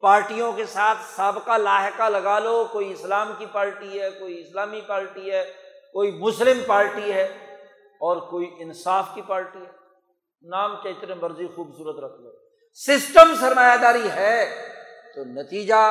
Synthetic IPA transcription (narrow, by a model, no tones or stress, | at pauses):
paːɾʈijõkesaːt̪ʰsaːbkalaːɦɪkalɐɡaːloːkoːiɪslaːmkipaːɾʈiɦɛkoːiɪslaːmipaːɾʈiɦɛːkoːimʊslɪmpaːɾʈiɦɛ | ɔːɾkoːiʔɪnsaːfkipaːɾʈiɦɛ | naːmkeɪt̪nemɐɾzixuːbsuːɾət̪ɾɐkʰloː | sɪsʈəmsɐɾmaːjad̪aːɾiɦɛː | t̪onɐt̪iːd͡ʒa